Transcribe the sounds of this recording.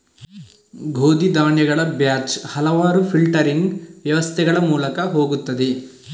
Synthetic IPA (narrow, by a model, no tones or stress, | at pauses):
ɡʱoːd̪id̪aːɳjɐɡɐɭɐbjaːt͡ʃhɐlɐʋaːɾupʰilʈɐɾiŋɡʋjɐʋɐst̪ʰɛɡɐɭɐmuːlɐkɐɦoːɡut̪ːɐd̪i